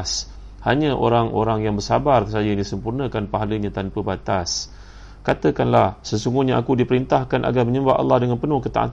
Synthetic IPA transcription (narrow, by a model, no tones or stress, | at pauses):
s | haɲãʔo̰ɾaŋʔo̰ɾaŋjaŋbərsabarsajadisəmpurnə̃kanpaɦaləɲãt̪anpəbat̪as | kat̪əkanlahsəsuŋɡuhɲãa̰kudipəɾint̪ahkanʔa̰ɡarməɲəbaʔa̰lːɑhdəŋanpənʊhkət̪a̰ʔa̰t̪